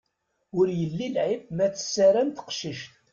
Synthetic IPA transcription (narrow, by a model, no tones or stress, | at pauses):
ʊɾjəlːilʕibmæt͡sə̥sːæɾænt̪ə̥qʃiʃt̪